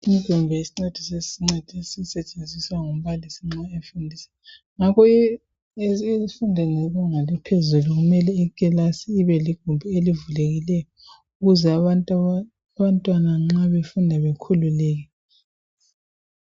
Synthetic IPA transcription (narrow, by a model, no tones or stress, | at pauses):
im̩ɡ̥ʱumbʱɛisiŋ͡ǀed̥ʱiseiŋ͡ǀed̥ʱisisɛt͡ʃʼend͡zʱiswaŋum̩βalisiŋ͡ǀaefundʱiːsḁ | ŋakʰɔ | zifundʱɛnɛβɛŋalɛpʰezuluɣumɛlɛɛkʼɛlasiːβɛliɡ̥ʱumbʱuelivuleɣilɛjɔ | uɣuzɛaβantʼ | aβantʼwanaŋ͡ǁaβefundʱaβekʰululɛːɣ̬ɛ